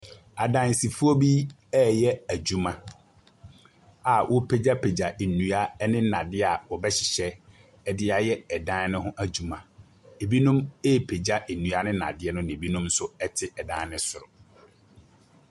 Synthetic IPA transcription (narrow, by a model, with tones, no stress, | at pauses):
a˨dã˨nsi˨fu˦o˦bi˦ | ɛ˦jɛ˦æ˨d͡ʑu˦mã˨ | a˨wʔɔ˦pʰe˨d͡ʑa˦pʰe˨d͡ʑa˨ʔe˨nũ˨a˦nɪ̃˦nã˨dɪ˦a˨wɔ˨bɛ˦ɕɪ˨ɕɛ˦ | ɛ˨dɪ˦a˨jɛ˦ɛ˨dã˦n˦nɪ̃˦ɦʊ̃˦ʔæ˨d͡ʑu˨mã˨ | e˨bi˦nũ˦me˦pʰe˨d͡ʑa˦e˨nːũ˨a˦nɪ̃˦nã̰˨dɪ˦ɛ˦nʊ̃˦nɪ̃˨bi˦nũ˦msʊ˦ɛ˦tʰɪ˦ɛ˨dã˦nɪ̃˦sʊ˨ɾʊ̰˨